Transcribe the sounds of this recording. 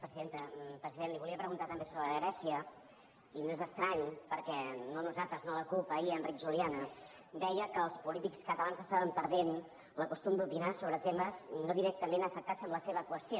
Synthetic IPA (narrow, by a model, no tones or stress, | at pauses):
pɾəziðent̪əpɾəziðenliβuliəpɾəɣunt̪at̪əmbesoβɾəəəɣɾɛsiə | inoezəst̪ɾaɲpəɾkɛnonuzalˠt̪ɾəznoləkulˠpəiəndrikʒulianə | d̪ɛjəkəːlˠspulit̪ikskət̪əlanzəst̪aβəmpəɾðen | ləkust̪umd̪upinasoβɾət̪eməznoðiɾɛk̚t̪əmenəfək̚t̪azəmbləseβəkwəst̪jo